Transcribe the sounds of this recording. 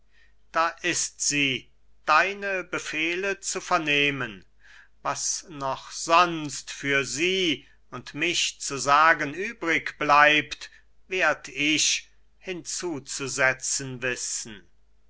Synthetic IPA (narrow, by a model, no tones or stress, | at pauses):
d̥aːʔɪstz̥iː | d̥aɪnəbəfeːlət͡sufɛɐneːmən | vasnɔχz̥ɔnstfyːɐziː | ʊntmɪʃt͡suzaːɡənyːbʁɪkb̥laɪpt | veːɐdɪʃ | hɪnt͡suːt͡suzɛt͡sənvɪsn̩